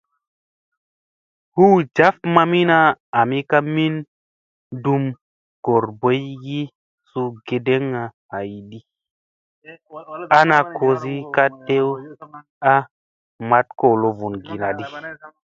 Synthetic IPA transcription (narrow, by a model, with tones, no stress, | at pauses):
hu˦d͡ʒa˦fma˧mi˦na˦a˨mi˦ka˦mi˦n | du˦˧m | ɡ̥o˨ɾbo˨˦jɡi˦ | su˧ɡe˨de˦ŋːa˨ha˨ji˨ɗi˦ | a˦na˧kʰo˧zi˦ka˦te˦w | a˦ | ma˦tko˨lo˨vu˨nɡi˨na˨ɗi˦